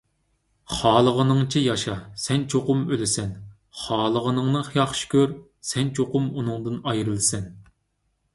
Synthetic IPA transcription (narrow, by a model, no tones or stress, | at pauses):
χɑːlˠəʁənɨŋt͡ʃʰijɑʃɑsɛnt͡ʃʰoqʊmølɪsɛn | χɑːlˠəʁənɨŋnɨχjɑχʃkʲøɾ | sɛnt͡ʃʰoqʊmunɨŋd̪ɨnɑjɾɨlˠɨsɛn